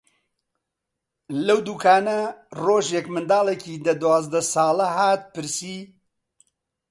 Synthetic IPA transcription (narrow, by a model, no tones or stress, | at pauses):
lɐwd̪uːkʰaːnɐroːʒjekmɨnd̪aːlekiːd̪ɐd̪waːzd̪ɐsɑːlɐɦaːt̪̚pɨɾsiː